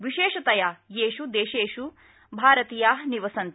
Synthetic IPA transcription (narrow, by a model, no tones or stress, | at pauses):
ʋiʃeːʃɐt̪ɐjajeːʃud̪eːʃeːʃu | bʱaːɾɐt̪iːjaːɦniʋɐsɐnt̪